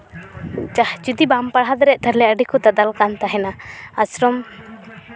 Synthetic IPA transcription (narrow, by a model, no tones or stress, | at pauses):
d͡ʒahd͡ʒud̪ibampaɽɦad̪ɾɛʔt̪ʰəɾlɛəɖikut̪ad̪alkant̪aɦɛnaasɾɔm